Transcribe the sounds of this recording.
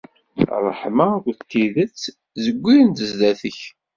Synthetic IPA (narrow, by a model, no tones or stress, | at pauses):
rˤəħmakʷt̪ːiðət͡sː | zəɡʷːijənt̪əzd̪æθəç